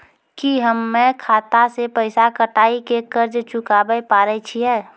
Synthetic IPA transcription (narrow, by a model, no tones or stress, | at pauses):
kiɦəmːẽkʰaːt̪asepəɪsakəʈaːikekəɾd͡ʒt͡ʃʊkaːbəpaːɾət͡ʃʰiɛː